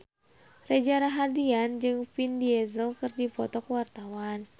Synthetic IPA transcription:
red͡ʒaɾaɦadiand͡ʒɨŋpindiɛzəlkɨrdipɔt̪ɔkwart̪awan

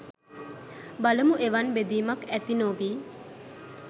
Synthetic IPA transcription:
baləmuʔeʋanbed̪iːmakæt̪inoʋiː

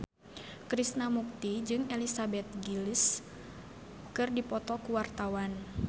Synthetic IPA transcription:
kɾisnamuk̚t̪id͡ʒɨŋelisabɛt̪̚ɡilis | kɨrdipɔt̪ɔkuwart̪awan

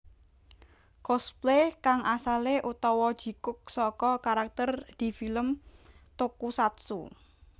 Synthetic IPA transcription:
kɔsplekaŋʔasaleʔut̪ɔwɔd̥ʒ̥i̤kʊk̚sɔkɔkaɾak̚t̪ərd̪̥i̤filəmt̪okusat̪sṵ

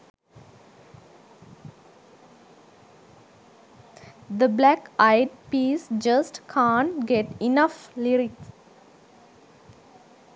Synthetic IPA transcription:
d̪əblækaɪɖ̚piːsd͡ʒʌsʈkʰãːɳʈɡeʈinəfliɾik

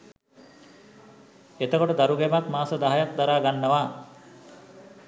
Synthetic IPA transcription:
et̪əkoʈod̪aɾuɡemakmaːsəd̪aɦajak̚d̪aɾaːɡanːɐʋaː

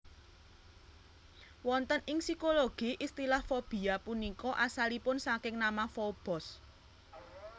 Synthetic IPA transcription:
wɔnt̪ənɪŋsikoloɡ̥i̤ʔist̪ilahfob̥i̤apunikɔʔasalipʊnsakɪŋnamafob̥ɔ̤s

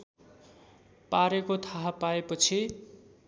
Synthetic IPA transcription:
paɾekot̪ʰaɦapaepʌt͡sʰi

